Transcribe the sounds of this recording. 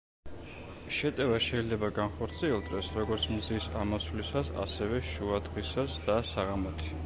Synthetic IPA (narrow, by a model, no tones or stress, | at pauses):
ʃɛt̪ʼɛvaʃɛilɛbaɡanχɔɾt̪sʰiɛlˠd̪ʼɛsɾɔɡɔɾt̪sʰmzisamɔsvlisasa̰sɛvɛʃuad̪ʁisasd̪asaʁamɔt̪ʰi̥